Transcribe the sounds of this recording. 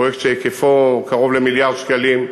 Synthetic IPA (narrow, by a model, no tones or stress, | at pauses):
ekt͡ʃejekefokaʁo̞vlemiljaʁd̪ʃkalim